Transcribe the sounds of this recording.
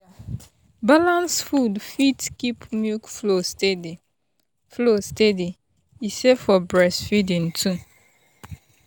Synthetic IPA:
balãnsfudfitkipmjukflosted | flostedi | isefɔbɹɛsfidĩntʰũ

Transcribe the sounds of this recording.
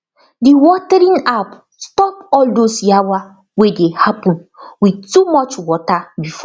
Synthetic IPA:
diwɔtɛɾĩnap | stɔpɔldosjawa | wedehapɔ̃nwidtumɔt͡ʃwɔtabifɔ

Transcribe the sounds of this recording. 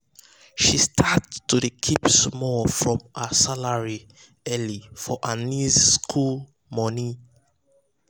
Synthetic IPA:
ʃistʰattːudəkʰipsmɔlfɹɔ̃masalaɹi | ɛlifɔʔanizskʰul | mɔni

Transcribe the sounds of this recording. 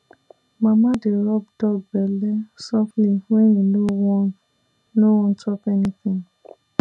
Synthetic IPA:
mãmãdeɾɔb̚dɔbɛlɛsɔfliwejĩlowɔ̃ | lowɔ̃n̩tɔpɛnĩθĩn

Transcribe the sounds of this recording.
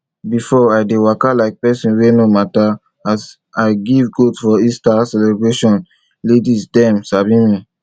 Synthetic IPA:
bifɔaɪdewakalaɪk̚pɛsĩnwenomata | as | aɪɡivɡotfɔistasɛlɛbɹeʃɔ̃n | ledisdɛ̃msabĩmĩ

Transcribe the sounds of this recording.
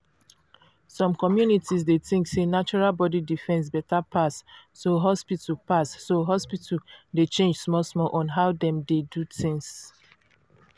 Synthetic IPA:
sɔ̃mkɔmjunitʰisdeθĩŋksenat͡ʃɔɹalbɔdidifɛ̃ns̬bɛtapʰasːoɦɔspitupasːoɦɔspitudet͡ʃẽnd͡ʒsmɔsmɔlʔɔ̃nɦaʊdɛ̃mdedutĩŋs

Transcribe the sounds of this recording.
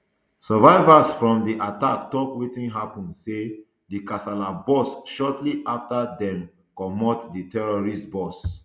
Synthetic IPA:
sɔvaɪvasfɹɔ̃mdiʔataktɔkwetĩnɦapɔ̃nse | dikasalabɔsʃɔtliʔaftadɛ̃m | kɔmɔtditɛɹɔɹistbɔs

